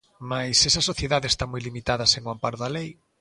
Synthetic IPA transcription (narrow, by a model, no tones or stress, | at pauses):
majsɛsɐsoθjeðaðeːst̪amojlimit̪aðɐseŋwampaɾðalej